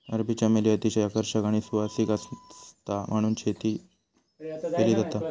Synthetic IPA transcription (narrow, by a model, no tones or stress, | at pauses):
ə̰ɾbit͡ɕameliat̪iɕaakəɾʂəkaɽ̃isuʋasiːkast̪am̤əɽ̃uːnt͡ɕʰet̪iː | keliːd͡zat̪a